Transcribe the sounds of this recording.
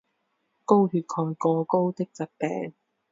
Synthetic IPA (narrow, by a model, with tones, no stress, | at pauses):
ko˥wɦyː˨˧t̚kʰɔː˧jkɔː˧ko˥wt̪ɪ˥k̚t͡sɐ˨˥t̚pɛ̰ː˨˧ŋ